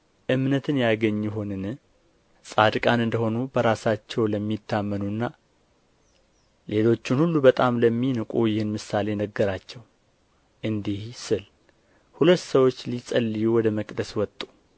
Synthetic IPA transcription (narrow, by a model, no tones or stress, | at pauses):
ʔɨmnət̪ʰɨnjaɡəɲːjɛɦo̞nɨn | sʼad̪kʼanɨnd̪əho̞nubəɾasat͡ʃːɛwləmːit̪ʰːamːənuɨnːa | le̞lo̞t͡ʃːɪnhulːubət̪ʼamləmːinɨkʼujɪhɨnmɨsale̞nəɡːəɾat͡ʃːɛw | ʔɨnd̪ihsɨl | hulət̪ːsəwo̞t͡ʃːlisʼəlːijuwɔd̪əməkʼd̪əswɔt̪ʼːu̥